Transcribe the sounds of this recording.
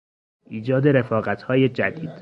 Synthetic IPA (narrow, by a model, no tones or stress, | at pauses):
ʔiːd͡ʒɒːd̪e̞ɾe̞fɒːɣæt̪ʰhɒːje̞d͡ʒæd̪iːd̪̥